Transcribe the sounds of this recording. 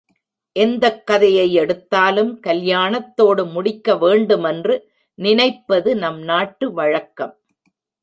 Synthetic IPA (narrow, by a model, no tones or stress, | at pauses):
ʔɛnd̪ɐkːɐðɐjɐɪɛɽɯt̪ːaːlɯmkɐljaːɳɐt̪ːoːɽɯmʊɽɪkːɐʋeːɳɖɯmɛndrɯ | nɪnɐɪpːɐðɯnɐmnaːʈːɯʋɐɻɐkːɐm